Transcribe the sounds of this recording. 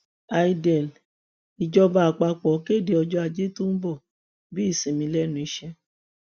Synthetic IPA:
a˧i˧dɛ˨l | i˨d͡ʒɔ˧ba˧a˨k͡pa˧k͡pɔ˨˦ke˦˨de˨˧ɔ˧d͡ʒɔ˦a˧d͡ʒe˦to˦n̩˦bɔ˦˨ | bi˨˦i˦˨sĩ˨mĩ˧˦lɛ˦˨nũ˨˧i˧ʃɛ˧

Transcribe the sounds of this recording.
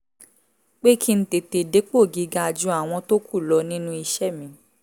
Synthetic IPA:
k͡pe˦kʰi˦n̩˦te˨te˨de˨˦k͡po˦˨ɡi˨˧ɡa˧˨d͡ʒu˧˦a˦˨w̃ɔ̃˧to˦kʰu˦˨lɔ˧˦nĩ˦nũ˦i˧ʃɛ˦˨mĩ˨˦

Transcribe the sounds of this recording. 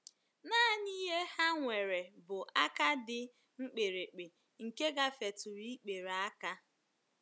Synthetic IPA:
naː˦ni˦ɦe˦ha˦ŋʷe˨ɾe˨bʊ˨ʔa˦ka˦dɪ˦ | ŋ͡m̩˦k͡pe˨ɾe˨k͡pe˨ | ŋ̩˨ke˦ɡa˦fe˨tʊ˨ɾi˦k͡pe˨ɾa˦ka˦

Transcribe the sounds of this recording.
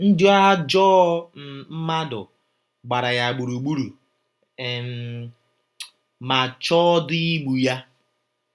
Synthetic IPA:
n̩˦d͡ʒu˦a˦d͡ʒɔː˦m̩˨m̩˦ma˦dʊ̰˨ | ɡ͡ba˨ɾa˨ja˨ɡ͡bu˨ɾu˨ɡ͡bu˦ɾu˨ | e˨m˨ | ma˨t͡ʃɔ˦di˦i˦ɡ͡bu˨ja˦

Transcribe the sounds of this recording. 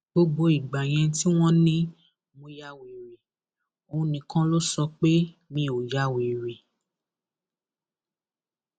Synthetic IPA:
ɡ͡bo˧ɡ͡bo˧i˨ɡ͡ba˨j̃ɛ̃˧ti˦w̃ɔ̃˦nĩ˦ | mõ˧ja˧we˨ɾe˨ | õ˧˦nĩ˧˦kã˦lo˦sɔ˧k͡pe˦ | mĩ˧˦o˨ja˧˨we˨ɾe˨

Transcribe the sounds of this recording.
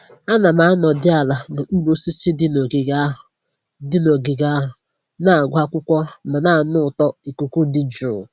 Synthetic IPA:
a˦na˨ma˨a˦nɔ˨dɪ˦a˨la˨nʊ˨˦lo˦si˦si˦dɪ˦no˨ɡɪ˨ɡa˦˨ | dɪ˦no˨ɡɪ˨ɡa˦ɦʊ˨ | na˨a˨ɡʷa˦kʷʊ˦kʷɔ˦ma˨na˦˨nʊ˦˨tɔ˦i˨ku˨kʷu˦dɪ˦d͡ʒʊ˨

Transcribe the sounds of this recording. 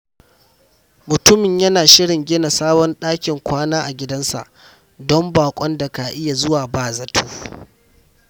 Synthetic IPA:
mʊ˨tʊ˦mɪ˨ɲjɐ˦naː˨ʃɪ˦ɽɪ˨ŋɡʲɪ˦na˨saː˦bɔ˦nɗaː˦kʲɪ˨ŋkʷaː˦naː˦ʔa˨ɡʲɪ˦dɐ˦nsa̰˨ʔ | dɔ˦mbaː˨kʷʼɔ˦nda˨ka˨ʔɪ˦ja˨zʊ˦waː˨baː˦˨zɐ˦tʰuː˦

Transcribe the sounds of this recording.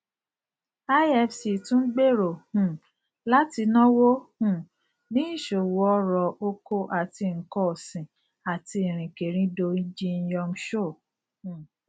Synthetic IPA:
a˦ɛ˧fsi˨tũ˦n̩˦ɡ͡be˦˨ɾo˨hũ˨ | la˦ti˧nɔ̃˦wo˦hũ˦˨ | nĩ˨˦i˦˨ʃo˨wɔ˧˦ɾɔ˨ʔo˧ko˧ʔa˨ti˧ŋ̩˨kɔ˦˨sĩ˨ | a˨ti˧˨ɾ̃ĩ˨ke˨ɾ̃ĩ˦do˧i˦d͡ʒi˦n̩˦jɔ˧m̩˦ʃo˦˨ | h

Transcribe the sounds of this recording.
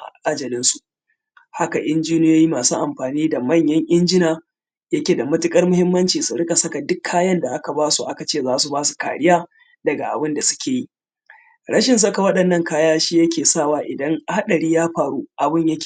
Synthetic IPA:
ʔa̰˨ʔa˦d͡ʒɐ˨lɪ˦nsu˨ʔ | ha˦ka˨ʔɪ˦nd͡ʒiː˦nɪ˦jaː˦ji˦maː˨suː˦ʔa˨mɸaː˨niː˦da˨mɐ˦˨ɲjɐ˦ŋʔɪ˦nd͡ʒɪ˦naː˨ | jɐ˦kʲeː˨da˨mɐ˦tɪ˦kʼɐ˦rmʊ˦hɪ˦mːɐ˦nt͡ʃiː˨su˨ɽɪ˦kʼa˨sɐ˦ka˨dʊ˦kʰːaː˦jɐ˦nda˨ʔa˦ka˨baː˦su˨ʔa˦ka˨t͡ʃeː˦˨zaː˦su˨baː˦su̥˨ka̰ː˨ɽɪ˦jaː˦ | dɐ˨ɡa˨ʔa̰˨bɪ˦nda˨sʊ̥˦kʲeː˨ji˦ | ɾɐ˦ʃɪ˨ns̬ɐ˦ka˨wɐ˦ɗɐ˨nːɐ˦ŋkaː˦jaː˦ʃiː˦jɐ˦kʲʰeː˨saː˦˨waː˦ʔɪ˨dɐ˦ŋʔa˨ha˦ɗɐ˨ɽiː˦jaː˦ɸaː˨ɽuː˦ʔa˨bɪ˦ɲjɐ˦kʲː

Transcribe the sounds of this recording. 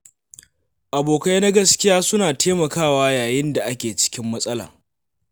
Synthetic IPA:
ʔa˨boː˨ka˦jna˦ɡɐ˦skʲɪ˦jaː˦sʊ˦naː˨teː˦mɐ˨kaː˦˨waː˦jaː˨jɪ˦nda˨ʔa˦kʲeː˨t͡ʃɪ̥˦kʲɪ˦mːɐ˦sʼɐ˦la̰ː˨

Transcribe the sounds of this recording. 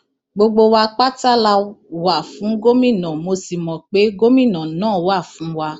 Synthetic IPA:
ɡ͡bo˧ɡ͡bo˧wa˧k͡pa˦ta˦la˧wa˨fũ˨˦ɡo˦mĩ˦˨nã˨mo˧si˨mɔ̃˨k͡pe˨˦ɡo˦mĩ˦˨nã˨nãː˦˨wa˦˨fũ˨˦wa˧

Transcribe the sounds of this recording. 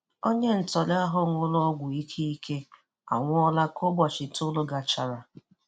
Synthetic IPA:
o˦ɲe˦n̩˨tɔ˨lɪ˦a˦ɦʊ˦ŋʷʊ˦lɔ˦ɡʷʊ˨i˦kʰe˦i˦ke˦ | a̰˨ŋʷʊ˦ɔ˦la˦ko˦bɔ˨t͡ʃɪ˨tʊ˦lo˦ɡa˨t͡ʃa˦ɾa˨

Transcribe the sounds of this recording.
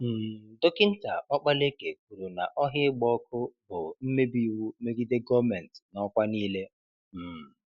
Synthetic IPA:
m̩˨dʊ˦kɪ˦n̩˦ta˨ɔ˦k͡pa˦le˦ke˨k̚u˨ɾu˨na̰˨ʔɔ˦ɦɪ˦ɡ͡bɔ˦kʊ˦bʊ˨m̩˦me˦bi˦wu˦me˦ɡi˦de˦ɡɔ˦mɛ˨n˨tnɔ˦kʷa˦niː˦le˦˨

